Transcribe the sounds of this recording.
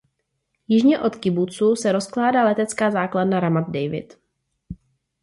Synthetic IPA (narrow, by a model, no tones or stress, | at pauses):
jɪʒɲɛʔo̞t̪kɪbut͡suːsɛɾo̞sklaːdaːlɛt̪ɛt͡skaːzaːkladnaɾamad̪̚dɛjvɪ̰t̪